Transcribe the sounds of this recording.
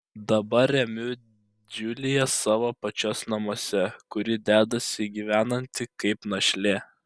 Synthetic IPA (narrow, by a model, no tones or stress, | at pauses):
d̪ɐbɐɾʲɛmʲʊ | d͡ʒʲʊlʲɪjɛsɑːʋoːpɐt͡ʃʲɔsnɐmoːsʲɛkʊɾʲɪd̪ʲæːd̪ɐsʲɪɡʲiːʋʲæːnɐnʲt̪ʲɪkɐɪpnɐʃʲlʲeː